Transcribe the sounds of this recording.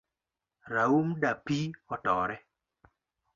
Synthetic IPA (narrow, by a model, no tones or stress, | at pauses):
ɾaumdapiɔtɔɾɛ